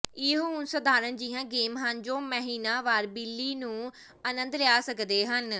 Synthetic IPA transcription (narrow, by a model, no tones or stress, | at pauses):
ɪɦuːnsəd̪aːɾənd͡ʒɪɦãːɡeːmɦənd͡ʒõːməɦiːnaːʋaːɾbɪlːiːnũː | ənə̃nd̪lɪjaːsəkd̪eːɦən